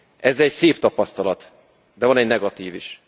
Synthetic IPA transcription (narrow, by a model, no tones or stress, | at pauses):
ʔɛzɛcseːpt̪ɒpɒst̪ɒlɒt̪ | d̪ɛvɒnɛɟnɛɡɒt̪iːviʃ